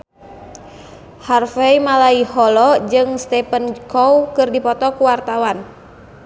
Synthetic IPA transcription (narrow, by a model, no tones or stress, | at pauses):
harfɛimalaihɔlɔd͡ʒɨŋst̪ɛpənkɔwkɨrdipɔt̪ɔkuwart̪awan